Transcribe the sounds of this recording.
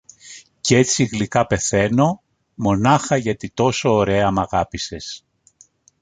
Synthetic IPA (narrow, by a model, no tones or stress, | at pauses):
ce̞t͡siɣlikɐpe̞θe̞no̞ | mo̞nɐxɐʝɐt̪it̪o̞so̞ːɾe̞ɐmɐɣɐpise̞s